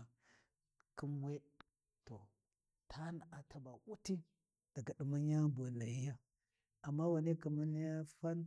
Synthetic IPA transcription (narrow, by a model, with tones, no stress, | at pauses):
ki˦mwe˦ | to˨ | tʰa˦n˨a˨tʰa˨ba˨ʔu˦ti˦ | d̥a˨ɡa˨ɗi˨ma˦ɲa˦bo˨na˨ji˦ja˦ | a˨mːa˦wa˨ne˦ki˨ma˦ni˦ja˦fa˦n